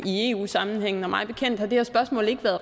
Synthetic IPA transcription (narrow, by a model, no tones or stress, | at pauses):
ie̝ːṵːsɑ̈mn̩ɦeŋ̰n̩ɒ̽mɑ̈ɪb̥e̝kʰen̰d̥hɑ̈d̥e̝hæɐsb̥ɶɐsmɔ̰̽ːle̝ɡ̥ʋæɐð̩ˠ